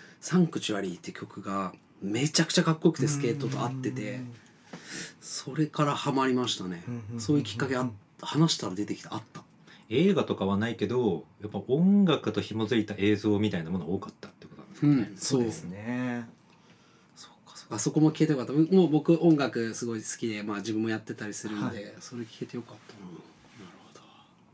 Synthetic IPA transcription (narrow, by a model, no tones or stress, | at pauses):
sãŋkɯ̟t͡ɕiβaɾʲit̪ːe̟kʲʰo̞kɯ̟ɡa | me̞t͡ɕakɯ̟̥t͡ɕakakːo̞ikɯ̟t̪e̞sɨ̥ke̞ːt̪ːo̞t̪o̞at̪ːe̞t̪e̞ | so̞ɾe̞kaɾahamaɾʲimaɕi̥t̪ane̞so̞ːjɯ̟kʲi̥kːakea | hanaɕi̥t̪aɾad̪e̞t̪e̞kʲi̥t̪eat̪ːḁ | e̞ːɡat̪o̞kaβanaike̞d̪o̞japːaõ̞ŋɡakɯ̟t̪o̞çimozɨɾit̪aʔe̞ːzo̞ːmʲit̪ainamo̞nooːkat̪ːḁt̪ːeiɯkot̪onad̪skɯ̟̃ɴso̞ːesɨne | so̞̥kːḁsokːaso̞ko̞mo̞kʲi̥et̪ejo̞kat̪ːbomobo̞kɯ̟ʔõ̞ŋɡakɯ̟sɨɡo̞isɨ̥kʲid̪e̞maːʑibɯ̟̃mːo̞jat̪ːe̞t̪aɾʲisɨɾɯ̟nd̪e̞so̞ɾe̞kʲi̥e̞t̪e̞jo̞kat̪ːano | naɾɯ̟ho̞d̪̥o